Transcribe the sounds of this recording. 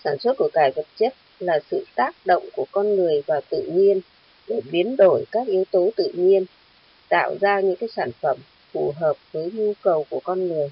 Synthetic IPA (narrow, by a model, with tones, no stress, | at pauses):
saː˧˩nswə˦˥t̚ku˧˩əkaː˧˩jvə˨˩t̚t͡ɕə˦˥t̚laː˨˩sɨ̰˧˨t̪aː˦˥k̚ɗo̰˧˨wŋ͡mku˧˩əkɔ˧nŋɨ˨˩əjvaː˨˩t̪ɨ̰˧˨ɲi˧ən | ɗe˧˩ɓi˨˦ənɗo˧˩jkaː˦˥k̚ʔi˨˦əwt̪o˨˦t̪ɨ̰˧˨ɲi˧ən | t̪a̰ː˧˨wzaː˧ɲɨ̰˧˥ŋkaː˨˦jsaː˧˩nfə˧˩m | fu˧˩ɦəː˨˩p̚vəː˨˦jɲu˧kə˨˩wku˧˩əkɔ˧nŋɨ˨˩əj